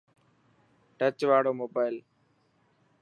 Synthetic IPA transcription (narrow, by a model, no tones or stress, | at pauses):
ʈət͡ʃʋaːɽoːmoːbaːɪl